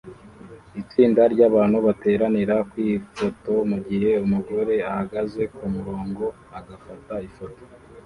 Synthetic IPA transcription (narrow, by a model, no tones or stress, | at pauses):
it͡siːndaɾɟaːβaːn̥huβate̞ːɾaniɾakwifo̞to̞muɡiɦe̞umuɡo̞ɾe̞ahaɡaze̞kumuɾo̞ːŋɡo̞ | aɡafataifo̞to̥